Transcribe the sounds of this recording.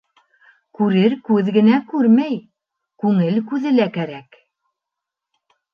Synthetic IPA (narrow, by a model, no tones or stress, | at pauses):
kʉɾɘɾkʉðɡɘ̆nækʉɾmæj | kʉŋɘlkʉðɘ̆lækæɾæk